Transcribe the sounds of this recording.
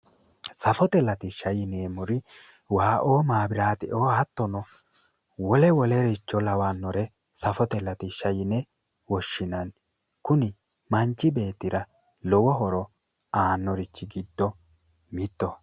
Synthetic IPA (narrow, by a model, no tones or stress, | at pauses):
sɐfɔt̪ɛlɐt̪ɪʃɐjɪneːmʊɾɪ | waːʔoːmaːbɪɾaːt̪ɪʔoːhɐt̪ːɔnɔ | wɔlɛwɔlɛɾɛt͡ʃːɔlɐwanːɔɾɛ | sɐfɔt̪ɛlɐt̪ɪʃɐjɪnɛ | wɔʃːɪnɐn | kʊnɪ | mɐnt͡ʃːɪbe̞ːt̪ːɪɾɐ | lɔwɔɦɔɾɔ | aːnːɔɾɪt͡ʃːɪɡɪd̪ːɔ | mɪt̪ːɔ